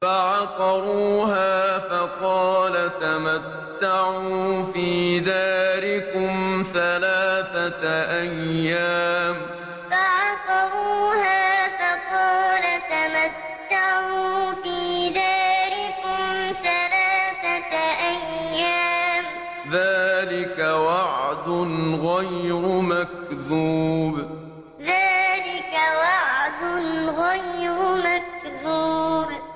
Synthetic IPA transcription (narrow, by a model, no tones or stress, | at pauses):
faʕɑqɑɾuːhaːfɑqɑːlat̪amat̪ːaʕuːfiːðaːɾɪkʊmθalaːθaʔajːaːm | faʕɑqɑɾuːhaːfɑqɑːlat̪amat̪ːaʕuːfiːðaːlɪkʊmsalaːθaʔajːaːm | ðaːlɪkawɑʕd̪ʊnɣajɾʊmak̚ðuːb | ðaːlɪkawɑʕd̪ʊnɣajɾʊmak̚ðuːb